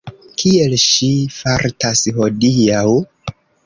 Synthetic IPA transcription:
kʰielʃifaɾtasho̞diaw

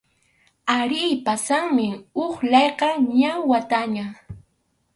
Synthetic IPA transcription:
aɾɪjpasaŋmɪʊχʎɑjqɑɲawat̪aɲa

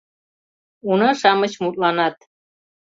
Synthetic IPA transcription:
unɑʃɑmət͡ɕmut̪̚lɑnɑt̪̚

